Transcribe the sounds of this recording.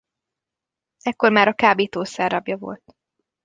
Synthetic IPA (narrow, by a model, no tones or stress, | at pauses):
ɛkːo̞rmaːɾɒkaːbeːt̪oːsɛːrɒbjɒvo̞̰lt̪̚